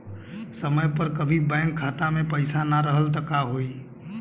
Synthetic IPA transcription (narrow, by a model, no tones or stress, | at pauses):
səməjpəɾkəbʱibɛ̃ːŋkʰːaːt̪amẽpəɪsanaɾəɦəlt̪ɐkaɦoːiː